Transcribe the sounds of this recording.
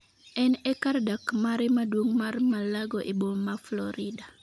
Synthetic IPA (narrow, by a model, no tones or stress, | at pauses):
ɛnɛkardakmaɾɪmadwoŋmarmalaɡoʔebolmaflɔɾɪda